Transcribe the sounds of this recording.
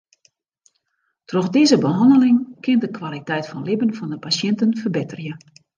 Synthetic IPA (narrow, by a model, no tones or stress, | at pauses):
troxdɪːzəbəɦɑndəlɪŋkɪntdəkwalitɛjtfɔnlɪbənfɔndəpasjɛntənfərbɪtərjə